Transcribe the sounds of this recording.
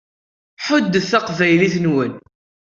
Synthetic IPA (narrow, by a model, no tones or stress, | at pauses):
ħʊd̪ːəθθæqvæjliθnwən